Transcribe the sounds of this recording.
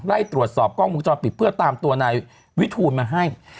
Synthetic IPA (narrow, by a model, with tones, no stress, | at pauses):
ɾa˥˩jt̪ɾu˨˩ət̪̚sɔː˨˩p̚kʰɔː˥˩ŋmu˧˦t͡ɕɔː˧npi˨˩t̪̚pʰɯ˥˩ɐt̪aː˧mt̪u˧ɐna˧j | wi˦˥t̪ʰuː˧nmaː˧ɦa˥˩j